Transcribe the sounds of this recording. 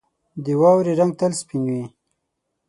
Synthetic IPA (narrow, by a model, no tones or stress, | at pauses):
d̪əwɑwɾiɾaŋɡ̚t̪əlspinwi